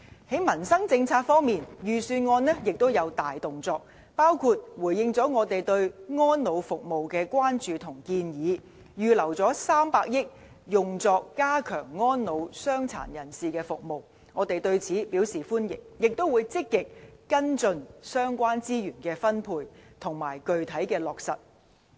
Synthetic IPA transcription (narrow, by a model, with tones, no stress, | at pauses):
he˨˥jmɐ˨˩nsɐ˥ŋt͡sɪ˧ŋt͡sʰaː˧t̚fɔː˥ŋmiː˨njyː˨syː˧nŋɔː˧nnɛː˥jɪ˨k̚t̪o˥wjɐ˨˧wt̪aː˨jt̪ʊ˨ŋt͡sɔː˧k̚ | paː˥wkʰuː˧t̚wuː˨˩jɪ˧ŋt͡sɔː˨˥ŋɔː˨˧t̪e˨jt̪ɵ˧ɥŋɔː˥nno˨˧wfʊ˨k̚mo˨wkɛː˧kʷaː˥nt͡ʃyː˨t̪ʰʊ˨˩ŋkiː˧njiː˨˥ | jyː˨lɐ˨˩wt͡sɔː˨˥saː˥mpaː˧k̚jɪ˥k̚ | jʊ˨ŋt͡sɔː˧kːaː˥kʰœː˨˩ŋːɔː˥nno˨˧wsœː˥ŋt͡sʰa̰ː˨˩njɐ˨˩nsiː˨kɛː˧fʊ˨k̚mo˨w | ŋɔː˨˧t̪e˨jt̪ɵ˧ɥt͡sʰiː˨˥piː˨˥wsiː˨˩fuː˥njɪ̰˨˩ŋ̚jɪ˨k̚t̪o˥wuː˨˧jt͡sɪ˥kːɪ˨k̚kɐ˥nt͡sɵ˧nsœː˥ŋkʷaː˥nt͡siː˥jyː˨˩nkɛː˧fɐ˥npʰuː˧jt̪ʰʊ˨˩ŋmaː˨˩jkɵ˨ɥt̪ʰɐ˨˥jkɛː˧lɔː˨k̚sɐ̰˨t̚